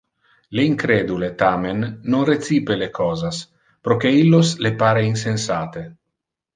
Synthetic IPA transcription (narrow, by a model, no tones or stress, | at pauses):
leiŋkɾeːd̪ulet̪amenːonret̪siːpelekʰɔːzas | pɾokeilːoslepaːɾeins̬ensaːt̪e